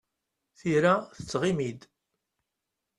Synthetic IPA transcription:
θiɾaθət͡sːʁimid̪

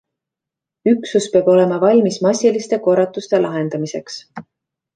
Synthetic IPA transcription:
yksuspeːbo̞le̞mɑvɑlʲmismɑsʲilist̪e̞ko̞rːɑt̪ːˑust̪e̞lʔɑɦe̞nd̪̥ɑmise̞ks

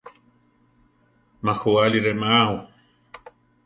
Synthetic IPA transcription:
maxualiɾemaaw

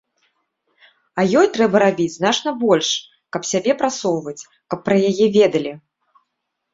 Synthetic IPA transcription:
ɐjɔjt̪ɾɛbɐɾabʲid͡zʲznat͡ʂnɐbɔlʲʂ | kɐpsʲabʲɛpɾat̪sɔwvɐt͡sʲ | kɐpːɾɐjajɛvʲɛd̪ɐlʲi

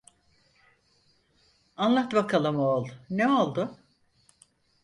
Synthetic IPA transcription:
anlˠaht̪ɯbakʰalˠɯmolˠneolˠd̪ʊ

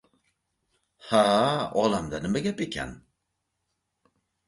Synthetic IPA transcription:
haɒlamd̪anɪmaɡʲapekʲʰɛ̰n

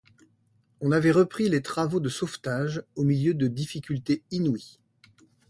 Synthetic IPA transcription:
ɔ̃navɛʁəpχilet̪χavod̪əsoft̪aʒomiljød̪əd̪ifikʲylt̪einwi

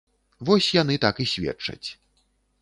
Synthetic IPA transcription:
vɔsʲjan̪ɨt̪akisʲvʲɛ̰t͡ʂɐ̰t͡sʲ

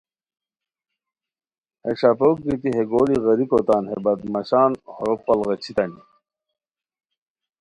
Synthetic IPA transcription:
heʂapoːk̚ɡit̪iɦeɡoliɣɐɾikot̪aːnhebɐd̪mɐɕaːnhoɾopːɐlɣɐt͡ɕʰit̪ɐni

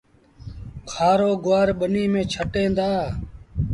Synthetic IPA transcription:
kʰaːɾoːɡʊʋaːɾɓəniːmẽːt͡ʃʰəʈẽːnd̪aː

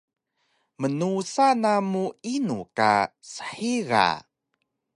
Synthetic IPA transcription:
mənusanamuinuka̰sə̥ħiɣa̰

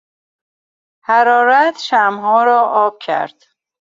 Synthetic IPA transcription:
hæɾɒːɾæt̪ʰʃæmɦɒːɾɒːʔɒːb̥̚cʰæ̰ɾd̪̥

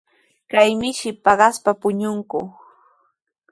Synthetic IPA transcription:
kajmɪʃɪpɑɢɑspapʊɲʊŋkʊ

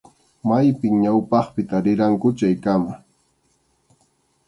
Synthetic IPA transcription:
majpɪŋɲawpɑχpɪt̪aɾɪɾaŋkʊt͡ʃajkama

